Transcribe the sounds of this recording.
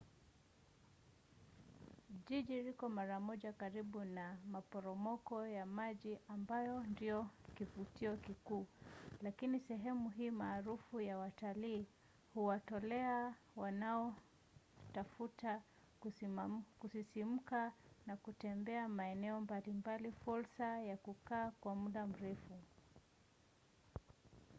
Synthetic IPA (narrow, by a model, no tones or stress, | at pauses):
ʄiʄiɾikɔmaɾamɔʄakaɾiɓunamapɔɾɔmɔkɔjamaʄiʔambajɔndiɔkivutiɔkikuːlakinisɛɦɛmuɦiːmaːɾufujawataliː | huwatɔlɛa | wanaɔ | tafuta | k | kusisim̩kanakutɛmbɛamaɛnɛɔmbalimbalifuɾsajakukaːkwamuɗam̩ɾɛfu